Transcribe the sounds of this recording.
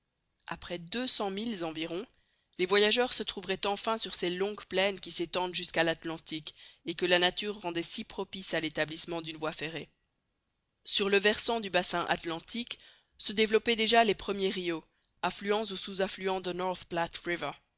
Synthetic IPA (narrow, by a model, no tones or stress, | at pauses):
a̰pχɛd̪øsɑ̃milzɑ̃viʁɔ̃ | levwajaʒœʁsət̪χuvʁɛt̪ɑ̃fɛ̃syʁselɔ̃ɡplɛnkʲiset̪ɑ̃d̪ʒyskalat̪lɑ̃t̪ikekəlanat̪yʁːɑ̃d̪ɛsipχɔpisalet̪ablismɑ̃d̪ynvwafeʁe | syʁləvɛʁsɑ̃d̪ybasɛ̃ʔa̰t̪lɑ̃t̪ʰik | səd̪evlɔpɛd̪eʒalepχəmjeʁio | aflyɑ̃sosuzaflyɑ̃d̪ənɔʁθplat̪ʁivə